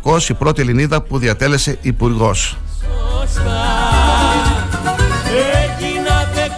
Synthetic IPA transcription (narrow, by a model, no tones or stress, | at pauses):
ko̞sipɾo̞t̪ieliniðɐpuðiɐt̪e̞le̞se̞ʔipuɾɣo̞s | einɐt̪